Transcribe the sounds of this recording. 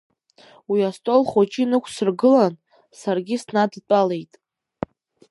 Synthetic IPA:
wiastʼolχot͡ʃʼinɨkʷʰsɨrɡɨlan | sarɡʲɪsnadt͡pʼale̞jtʼ

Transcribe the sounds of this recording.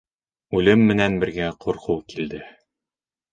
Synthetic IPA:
ʉlɘmːɘ̆nænbɘ̆ɾɡæqʰuɾquwkild̪ɘ

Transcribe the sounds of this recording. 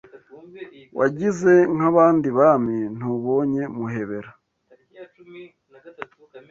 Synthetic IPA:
wʔaɟize̞ŋ̥aβaːndiβamin̥uβoɲe̞muɦe̞βe̞ɾa

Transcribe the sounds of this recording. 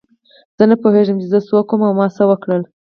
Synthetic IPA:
z̥ənəpoheʒəmt͡ʃezəswokomawmɑsawəkɽəl

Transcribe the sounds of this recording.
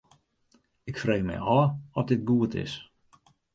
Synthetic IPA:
ɪkfrejmɛ̰jɔːɔt̚dɪt̚ɡuətɪ̰s

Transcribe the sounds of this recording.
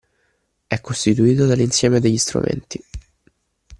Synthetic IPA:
ɛkːost̪it̪uiːt̪̬od̪alːinsjɛːmed̪eʎːist̪ɾṵmʔḛnt̪i

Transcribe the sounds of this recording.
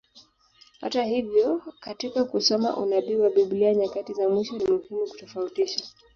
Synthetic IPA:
ha̰tahivjɔkatikakusɔma̰ʔṵnaɓiwaɓiɓliaɲakatizamwiʃɔnimuhimuku̥tɔfautiʃa

